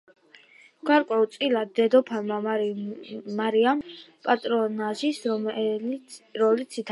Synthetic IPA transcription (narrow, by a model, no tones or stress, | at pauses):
ɡ̥aɾkʼwɛulˠt̪sʼilad̪̚d̪ɛd̪ɔpʰanma | aɾiampʼat̪ʼɾɔnaʒis | ɾɔlit̪sʰit̪ʰ